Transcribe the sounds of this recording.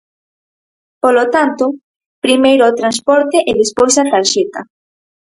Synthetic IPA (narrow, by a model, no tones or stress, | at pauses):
polot̪ant̪o | pɾimejɾoːt̪ɾans̬pɔɾt̪eʔeðespojsat̪aɾʃet̪a